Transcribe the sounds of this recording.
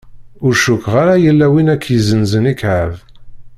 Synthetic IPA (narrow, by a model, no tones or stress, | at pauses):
ʊɾʃʊkːʁaɾajəlːæwinækːjəzənzənikʕəv